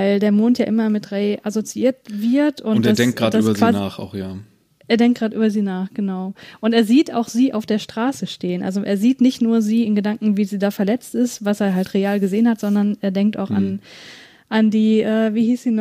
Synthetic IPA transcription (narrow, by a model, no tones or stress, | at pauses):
vaɪldeːɐmoːntjaːʔɪmɐmɪtʁeʔasot͡siʔiːɐtv̥ɪɐtʊntasdɛŋkɡ̥ʁaːtdaːbɐzkiv̥aːznaːχa̰ʊxjaː | ʔʔeːɐdɛŋkt̚ɡ̥ʁaːtʔyːbɐziːnaːχɡ̥ənaʊʔʊnteːɐziːtʔa̰ʊxz̥iːʔa̰ʊfd̥eːɐʃtʁ̥aːsəʃteːənʔa̰lzoʔḛːɐziːtnɪçtnuːɐziːɪnɡədaŋkŋ̩viːziːdaːfɛɐlɛt͡stɪstvaseːɐɦaltʁeaːlɡəzeːənhatz̥ɔndɐnʔeːɐdɛŋk̚ta̰ʊxa̰n | ʔandiːʔɛːviːhiːsz̥iːn